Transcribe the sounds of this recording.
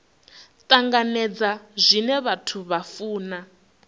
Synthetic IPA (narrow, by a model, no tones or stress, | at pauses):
t̪ʼaŋɡanɛd͡zazʷinɛβatʰuβafuːna